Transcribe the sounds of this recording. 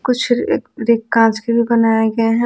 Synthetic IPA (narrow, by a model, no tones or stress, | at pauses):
kʊt͡ʃʰːɾeːkːãːskebʱibɐnaːjeɡɐaɦɛ̃